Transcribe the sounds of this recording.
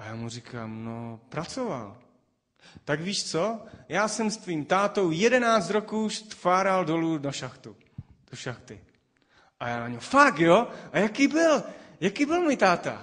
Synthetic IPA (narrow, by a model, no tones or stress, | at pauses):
ajaːmurikʰa̰ːmnopɾat͡sova̰l | t̪aɡviːʃt͡sojaːsɛmst̪viːmt̪aːt̪o̞wjɛdɛnaːt͡st̪ɾokuːʃt̪faːɾaldolunaʃaxt̪u | d̥oʃaxt̪ɪ | ʔajaːnaɲofakjoʔajakiːbɪljakiːbɪlmujt̪aːt̪a̰